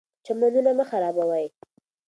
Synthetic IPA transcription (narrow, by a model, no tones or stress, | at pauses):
t͡ʃamanunaməxaɾɑbawaj